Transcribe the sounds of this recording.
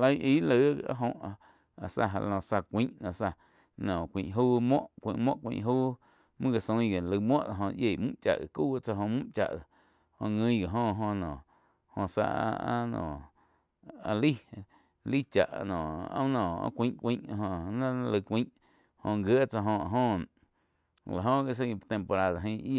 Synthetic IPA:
lə˦ʔi˦lə˧˦a̰˦ɦõ˧ | a˨sa̰˧ɦa̰˧lɔ̃˧˨sa˧kʷĩ˦ʔnã˨sa˧ | nɔ̃˨kʷĩ˨ʔɦuː˦mwɔ̃˦ʔkʷḭ̃˧˨ʔmwɔ̰̃˦ʔkʷḭ̃˧˨ʔɦu˦ | mɨ̃˦ɣa˨sõ˧˦˧ɡa˨lə˧mwɔ̃˦ʔt͡sa˧ɦõ˧ʔje˨mṵ̃˦ʔt͡ʃa̰˨ʔɣe˨ku˦a˧t͡sa˧ɦõ˧mũ˦ʔt͡ʃa̰˨ʔa˨ | hõ˧ŋĩ˧˦˧ɡa˨ɦõ˧ɦõ˧nɔ̃˨ | hõ˧sa̰˧ʔa˦nɔ̰̃˨ | a˧li˦ | li˦t͡ʃa̰˨ʔnɔ̃˨ã̰˦nɔ̃˨ã̰˦kʷĩ˦ʔkʷĩ˦ʔɦõ˧nã˦lə˧kʷĩ˦ʔ | hõ˧˨ŋɡjə˦t͡sa˧ɦõ˧a˧ɦõ˦˧˨ | la˨ɦõ˦ɡe˧˨s̬a˦˧t̪ẽ˧mpo˧ɾa˦ða˨ɦĩ˧i˦˧

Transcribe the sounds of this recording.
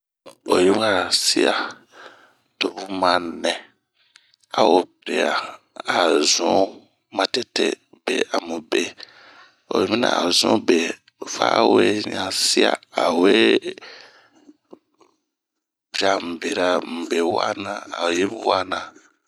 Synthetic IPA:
o˨je˦wa˦ɾa˨si˦a˨ | to˨bu˦mã˨nɛ̃˨ | a̰˨wo˨bɾe˨a˨ | a˨zũ˨˦ | mã˦tɛ˦tḛ˨ | be˨a˨mũ˨be˨ | o˨e˨mĩ˦nã̰˨a̰˨zṵ̃˦be˨ | fa̰˦we˦ɲã˨si˦a̰˦˨a˨we˦ | bi˨ɾa˨m̩˨be˨ɾa˨m̩˨be˨wa̰˦nã˨a̰˨o˨je˦m˨wa˦nã˨

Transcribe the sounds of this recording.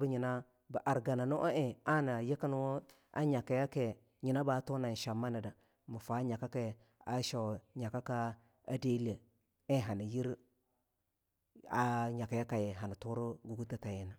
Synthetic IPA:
bə˦ɲi˨na˦ | ba˨ʔa˨ɾɡa˨na˨nu˦ʔa˦ʔe˨a˦na˨je˦ka˦nu˦ | a̰˦ɲa˨ka˨ja˦ke˨ | ɲi˨na˦ba˨˦to˦na˨n˨ʃa˨ma˦na˨da˨ | mu˨fa˨˦ɲa˨ka˦ke˨ | a˦ʃa˨ɲa˨ka˦ka˦ | a˦de˦le˨ | e˦ɦa˨ni˨ji˦ɾ | a˨ɲa˨ka˨ja˦ka˨je˨ɦa˨na˨tu˦ɾo˦ɡu˨ɡu˦ta˦ta˨je˦na˨

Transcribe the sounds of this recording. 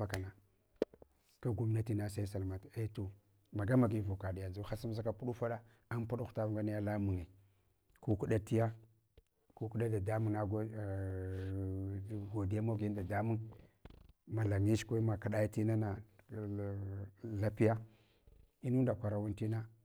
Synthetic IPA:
a˦ka˨na˨ | ka˦ɡu˦m˦na˦ti˦na˦sa˦sa˨lma˨te˦to˨ | ma˨ɡa˦ma˨ɡi˦vu˨ka˨di˨ja˨zu˦xa˦si˦m˦s̬a˦ka˦pu˦ɗu˦fa˦ɗa˦ | a˦npu˦ɗxta˦vɡa˦ni˦ja˦la˦mu˨ŋi˨ | ku˦ku˦ɗa˦ti˦ja˦ | ku˦ku˦ɗa˦da˨da˦mu˨ŋa˦ɡ | ɡo˨di˨˦a˦mo˦ɡi˦n˦da˨da˦mu˦ŋ | ma˨la˨ŋi˦ʃkʷa˦ma˨ka˨ɗa˦ja˦ti˦na˦na˨ | la˦pi˦ja˦ | i˦nu˦nda˨kʷa˨ɾa˨wu˦nti˦na˦

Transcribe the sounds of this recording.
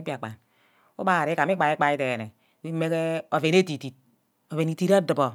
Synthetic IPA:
i˦pi˦a˨k͡pa̰˨n | u˦ba˦˨ɾi˦ka˨m˦i˦k͡pa˨i˦k͡pa˨i˦te˨ne˨˦ | i˦me˦ke˦o˨ve˨ne˦ti˨ti˨t̚ | o˨ve˨ni˨ti˦ɾa˦dɨ˨bo˨

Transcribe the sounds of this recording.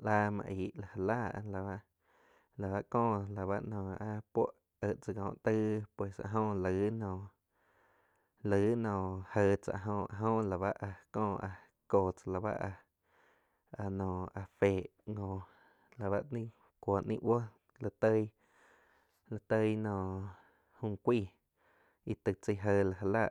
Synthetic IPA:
la˦˧mã̰˧ʔi˨ʔla˨ha˨la̰ː˦˨˧la˨a˦ʔ | la˨βa˦ʔkɔ̃ː˦˨la˨βa˦ʔnɔ̃ː˨a˧pwo˦ʔ | ə˧˨ʔt͡sə˧ɡɔ̃ː˨ʔt̪ə˦pwe˨sa̰˧˨ʔɦõ˦˧lə˨˦nɔ̃ː˧˨ | lə˨˦nɔ̃ː˨hə˧˨t͡sa̰˧ʔɦõː˧ʔa˨ɦõ˦la˨βa˦ʔa˧kɔ̃ː˧˨a˧ | koː˧˨t͡sa˧la˧˨ba̰˦ʔa˧ | a˧nɔ̃ː˨a˧feː˨ʔ | ŋõ˧˨ | la˨βa˦ʔnĩ˦ | kʷo˨ʔnḭ̃˦ʔwo˦ | lə˧t̪ə˦j | la˧t̪ə˦jnɔ̃ː˧˨ | hũ˧kʷiː˦˨ | i˧t̪ə˧˨t͡sə˧ɦə˧la˧˨ɦa˧la˦˧˨ʔ

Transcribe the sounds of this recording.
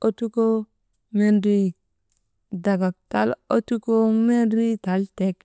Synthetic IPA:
o˦tu˦ko˦ | me˦ndi˨ | da˨ɡa˨k̚ta˦lo˦tu˦ko˦me˦nɾi˦ta˨lte˦k

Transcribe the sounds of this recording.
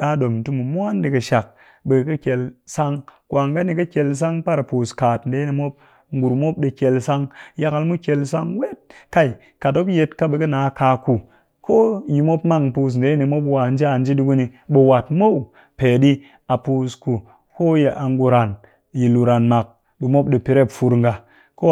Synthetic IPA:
ɗa˦do˨mn̩˨tu˦mu˨mʷ˦a˦ndi˨kɐ˨ʃa˨k̚ | ɓe˨kɐ˦kʲe˨lsa˦ŋkwa˨ŋɡa˦ni˨kɐ˦kʲe˧ls̬a˦ŋpa˦ɾa˨pu˨skaː˨tn̩˨de˦ni˨mo˦p̚ | ŋ̩˦ɡu˨ɾmo˦p̚ɗe˧kʲe˨lsa˦ŋja˧ka˧lmu˦kʲe˧lsa˦ŋ˦we˦t̚ka˨i˨ | ka˨to˦kje˧tka˦ɓe˧kɐ˦naː˨˦ka˧ku˨ | kʰo˦ji˨mo˦pma˦ŋpu˨s̬n̩˨de˦ni˨mo˦pwa˨n˦d͡ʒi˦a˨nd͡ʒi˦di˦ku˦ni˨ɓe˨wa˨tmo˦w | pe˨ɗi˦ | a˨pu˨sku˨ | ko˦je˨ʔa˨ŋɡu˨ɾa˨n | ji˨lu˨ɾa˨nma˨k̚ | bi˨mo˦pɗi˨pi˨ɾe˦˨pfu˧ɾŋɡa˨ | ko˦

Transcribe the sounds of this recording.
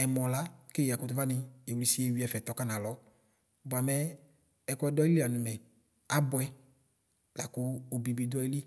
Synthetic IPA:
ɛ˨mɔ˨la˦ke˦˨a˨kʊ˦tu˦va˦nɪ˧e˨wli˨si˦e˨wi˦ɛ˨fɛ˨t̪ɔ˨ka˦na˨lɔ˨˦ | ba˨mɛ˨ | ɛ˨kɔ˦ɛ˦dɔ˦i˦li˦˨a˨nʊ˨mɛ˨ | a˦bʊ˨ɛ˦ | la˨kʊː˦˨bi˨bi˨dɔ˦i˦li˦

